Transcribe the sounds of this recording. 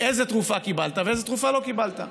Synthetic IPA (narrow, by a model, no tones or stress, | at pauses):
ejzet̪ʁufakibalt̪aveezet̪ʁufalo̞kibalt̪a̰